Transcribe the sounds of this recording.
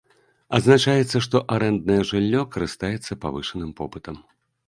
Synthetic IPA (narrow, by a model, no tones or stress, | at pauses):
ɐd̪znat͡ʂajɛt̪sːɐʂt̪ɔʔaɾɛnd̪̚nɐjɛʐɨlʲːɔkɐɾɨst̪ajɛt̪sːɐpa̰vɨʂɐnɨmpɔpɨt̪ɐm